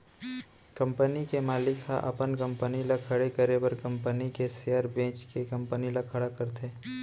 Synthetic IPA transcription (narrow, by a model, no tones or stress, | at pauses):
kɐ̃mpənikemaːlɪkha̰ʔɐ̰pənkɐ̃mpənilakʰɐɽekəɾebɐɾkɐ̃mpənikesejaɾbẽːt͡ʃkekɐ̃mpənilakʰɐɽakɐɾt̪eː